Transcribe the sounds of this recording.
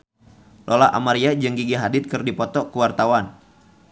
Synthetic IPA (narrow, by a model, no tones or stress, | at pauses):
lʔolaʔa̰maɾiad͡ʒɨŋɡiɡiɦadɪt̪̚kɨrdipɔt̪ɔkuwart̪awan